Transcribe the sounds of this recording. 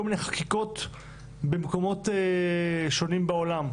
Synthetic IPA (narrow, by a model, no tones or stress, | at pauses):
olmineχakiko̞t̪ | bemko̞mo̞te | ʃo̞nimbaolam